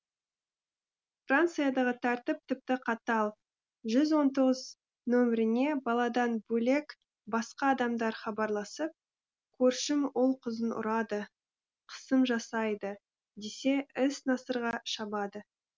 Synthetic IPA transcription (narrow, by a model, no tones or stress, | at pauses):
frant̪sɨjad̪ɑʁət̪ʰæɾt̪ɪp̚t̪ʰɪp̚t̪ɪqʰɑt̪ɑlˠ | ʒʏzwo̞nt̪o̞ʁəz | nɵmɾɪne̞bɑlˠɑd̪ɑnbɵle̞k | bɑsqɑːd̪ɑmd̪ɑɾχɑbɑɾlˠɑsəp̚ | kʲʰɵɾʃɪmwo̞lˠqʰəzənʊ̰ɾɑd̪ə | qʰə̥səmʒɑsɑjd̪ə | d̪ese̞ɪsnɑsəɾʁɑʃɑbɑd̪ə